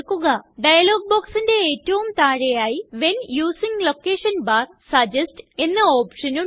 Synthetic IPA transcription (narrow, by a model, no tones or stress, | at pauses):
kːuɣɐɖɐjɐloːɡ̚boːksinde̞eːtːɐʋumt̪aːɻejaːjiʋe̞njuːsiŋɡlo̞kːe̞ːʂɐnbaːr | sɐd͡ʑɐsʈe̞nːɐo̞ːpʂɐnu